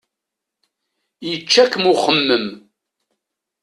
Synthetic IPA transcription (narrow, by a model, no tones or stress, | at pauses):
jət͡ʃːækəmʊχəmːəm